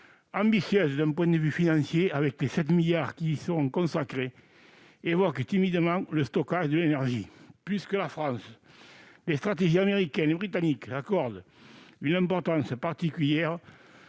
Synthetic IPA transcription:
ɑ̃mbisjøzəd̪ɛ̃mpwɛ̃nd̪əvyfinɑ̃nsjeavɛklesɛt̪miljaʁkisəʁɔ̃ŋkõnsakʁe | evɔkət̪imid̪əmɑ̃ŋləst̪okaʒəd̪əlenɛʁʒiplyskəlafχɑ̃nsəlest̪χat̪eʒiameʁikɛnebʁit̪anikəakɔʁd̪ə | ynɛ̃mpɔʁt̪ɑ̃nsəpaʁt̪ikyljɛʁə

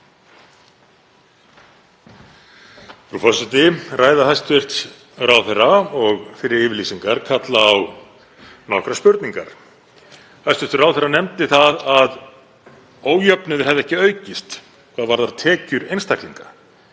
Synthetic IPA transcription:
pɾufɔsɪt̪ɪraːjðahajst̪vɪr̥t̪ | raːwθɛrːaɔɣfɪɾɪɾɪːvɪɾliːsiŋkaɾkʰat̪laːw | nɔkɾaspʏɾt̪niŋka̰ɾ̥ | hajst̪vɪ̥ɾ̥t̪raːwθɛrːanɛmt̪ɪθaðað | oːwjœpnʏðʏɾ̥hɛvðɛhcɪœːɥcɪst̪ | kʰvaðvaɾðaat̪ʰɛːcʏɾejnst̪ʰakliŋkḁ

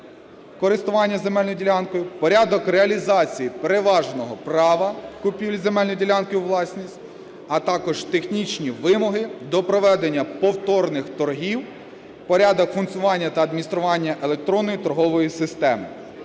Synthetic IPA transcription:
kɔɾɪst̪ʊʋɑnʲːɐze̞mɛlʲnɔdʲilʲɑnkɔjʊpɔɾʲad̪ɔkreɐlʲizɑt͡sʲijipe̞ɾeʋɑʒnɔɦɔpɾɑʋɐkʊpʲiwlʲzemɛlʲnɔdʲilʲankɔjʊʋlˠɑsʲnʲisʲtʲ | ɐt̪ɑkɔʒt̪e̞xnʲit͡ʃnʲiʋɪmɔɦɪd̪ɔpɾɔʋɛd̪enʲːɐpɔwt̪ɔrnɪxt̪ɔrɦʲiw | pɔɾʲad̪ɔkfʊnk̪sʲʊʋɑnʲːɐt̪ɐɐːd̪̚mʲinʲist̪ɾʊʋɑnʲːɐʔe̞lˠe̞k̚t̪ɾɔnːɔjit̪ɔɾɦɔʋɔjisɪst̪ɛmɪ

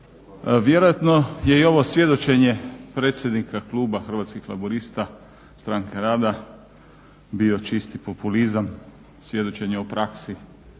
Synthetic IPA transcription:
ʋje̞ɾojat̪no̞je̞io̞ʋo̞sje̞d̪o̞t͡ʃe̞ɲe̞pɾet̪sʲjed̪nikaklˠuːbaxr̩ʋat̪skixla̰buɾist̪a | st̪ɾaːŋke̞ɾaːd̪a | bio̞t͡ʃist̪ipo̞pulizam | sʋje̞d̪o̞t͡ʃe̞ɲeupɾaksi

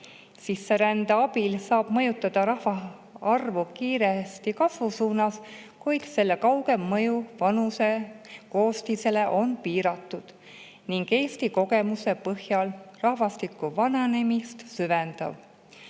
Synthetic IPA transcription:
sisːe̞ɾænd̪̥ɑɑbilsɑːb̥mɤjut̪ːˑɑd̪̥ɑɾɑhvɑ | ɑrvukiːɾest̪ikɑsvusuːnɑs | kujd̪̥se̞lːe̞kɑwɡ̥e̞mːɤjuvɑnuse̞ko̞ːst̪ise̞le̞ʔo̞npiːɾɑt̪ːˑud̪̥ | niŋɡe̞ːst̪iko̞ɡ̥e̞muse̞pɤhjɑlrɑhvɑst̪ikːˑuvɑnenemist̪syvend̪̥ɑ̰v

